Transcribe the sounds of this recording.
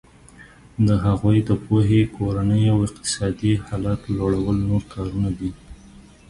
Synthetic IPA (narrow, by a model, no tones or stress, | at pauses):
d̪əɦaɣujd̪əpoɦekoɾanəjawɪqt̪ɪ̥sɑd̪ihɑlɑt̪loɽawəlnoɾkʰɑɾunad̪i